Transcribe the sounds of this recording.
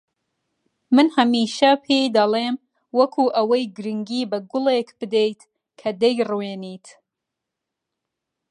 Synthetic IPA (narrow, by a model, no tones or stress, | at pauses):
mɨnhɐmiːʃɐpʰejd̪ɐlˠeːm | wɐkʰuːʔɐwɐjɡɨɾɨŋɡiːbɐɡʊlekbɨd̪ejt̪ | kʰɐd̪ejrweːniːt̪ʰ